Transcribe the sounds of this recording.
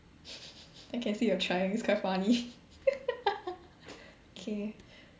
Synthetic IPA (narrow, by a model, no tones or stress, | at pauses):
aɪkʰɛ̃nsiːjɔtʰɹaɪɪ̃ŋiskʰaɪtfani | okʰe